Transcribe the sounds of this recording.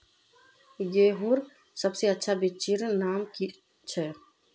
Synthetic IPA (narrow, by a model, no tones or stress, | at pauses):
jeːɦũɾ | səbseətːʃʰabɪt͡ʃiɾnaːmki | t͡ʃʰɛ